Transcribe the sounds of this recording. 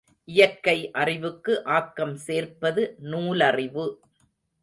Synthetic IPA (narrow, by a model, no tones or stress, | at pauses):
ʔɪjɐɾkɐɪʔɐrɪʋɯkːɯʔaːkːɐmseːrpɐðɯnuːlɐrɪʋɯ